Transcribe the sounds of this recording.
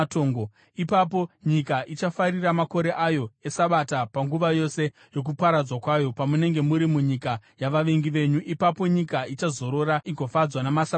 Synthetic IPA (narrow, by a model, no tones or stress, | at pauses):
toːŋɡo | ipapo̞ɲikaʔit͡ʃafariramako̞ɾe̞ʔajo̞e̞saɓatapaŋɡuʋajo̞se̞ | jok̬upaɾad͡zwakwajo̞pamune̞ŋɡe̞muɾimuɲikajaʋaʋe̞ŋɡiʋe̞ɲuʔipapo̞ɲikait͡ʃazo̞ɾo̞ɾaiɡʱo̞fad͡zwanamasa